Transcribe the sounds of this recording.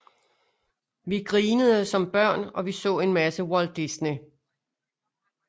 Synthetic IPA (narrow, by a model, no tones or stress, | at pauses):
ʋiɡ̥ʁiːnəð̞̩ˠəsɒ̽mb̥ɶɐ̰nɒ̽ʋisɔ̰̽ːe̝nmæsəwɒld̥isni